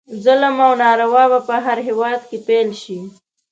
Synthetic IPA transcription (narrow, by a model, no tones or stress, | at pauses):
zələmawnɑɾawɑbapəɦaɾɦewɑd̪kepelʃi